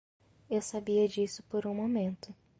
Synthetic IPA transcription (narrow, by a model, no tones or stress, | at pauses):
ewsabiɐd͡ʒisʊpoɾũmomẽnt̪ʊ